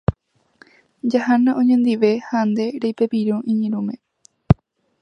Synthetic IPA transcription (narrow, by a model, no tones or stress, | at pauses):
d͡ʒahanãʔõɲẽnd̪iʋe̞hand̪e̞ɾejpepiɾũʔĩɲĩɾũmẽ